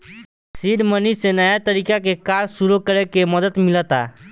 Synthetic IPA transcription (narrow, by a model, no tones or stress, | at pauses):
siːɖmənisenajat̪əɾiːkakekaːɾsuɾukəɾekeməd̪ət̪mɪlət̪a̰